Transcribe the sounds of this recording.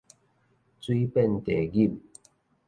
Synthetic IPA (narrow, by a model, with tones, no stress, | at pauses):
t͡swi˦pɛ˥˨nt̪e˨˩ɡi˥˨m̚